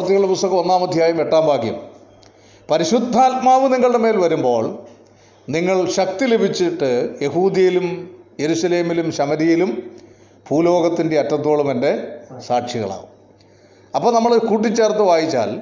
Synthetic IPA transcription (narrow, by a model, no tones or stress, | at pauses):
rt̪ːiɣɐɭɽepust̪ɐɣɐmo̞nːaːmɐd̪ʱjaːjumeʈːaːmbʱaːkjɐ̰m | pɐɾiɕud̪ʱːaːt̪̚maːʋɨniŋːɐɭɽeme̞ːlʋɐɾumbo̞ːɭ | niŋːɐɭɕɐk̚t̪ilebʱit͡ɕːiʈːɨjeɦuːd̪ɐjilumje̞ɾuɕɐle̞ːmilumɕɐmɐɾijilum | pʰuːlo̞ːɡɐt̪ːinde̞ɐtːɐt̪ːo̞ːɭumende̞saːʈʂiɣɐ̰ɭa̰ːɣṵm | ɐpːoːnɐmːɐɭkuːʈːit͡ɕːaːrt̪ːɨʋaːjit͡ɕːa̰ːl